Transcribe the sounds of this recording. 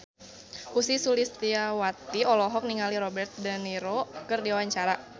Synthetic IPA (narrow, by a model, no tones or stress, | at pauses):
ʔusisulist̪iawat̪iɔlɔɦɔk̚niŋaliɾɔbɛrt̪̚dəniɾokərdiawaɲt͡ʃaɾa